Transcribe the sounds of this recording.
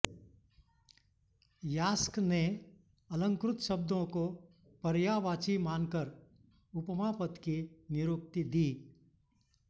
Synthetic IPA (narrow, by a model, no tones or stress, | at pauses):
jaːskne | ɐlə̃ŋkɾʊt̪ʃəb̚d̪ʱõko | pəɾjaːʋaːt͡ʃimaːnkəɾ | ʊpmaːpət̪kinɪɾoːk̚t̪id̪iː